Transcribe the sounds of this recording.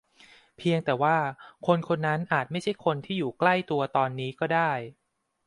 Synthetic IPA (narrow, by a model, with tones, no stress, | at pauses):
pʰi˧əŋt̪ɛː˨˩waː˥˩kʰo˧nkʰo˧nːa˦˥nʔaː˨˩t̪̚ma˥˩jt͡ɕʰa˥˩jkʰo˧nt̪ʰiː˥˩juː˨˩kla˥˩jt̪u˧ɐt̪ɔː˧nːiː˦˥kɔː˥˩daː˥˩j